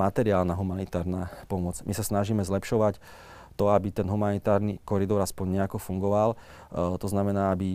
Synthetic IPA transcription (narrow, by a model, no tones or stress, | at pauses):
mat̪ɛɾiaːlnaɦumanit̪aːɾnaːpɔmɔd͡zmisasnaʒiːmɛzlɛpʃɔʋac | t̪ɔabit̪ɛnɦumanit̪aːɾnikɔɾid̪ɔɾaspɔɲɲɛakɔfuŋɡɔʋal | t̪ɔznamɛnaːabi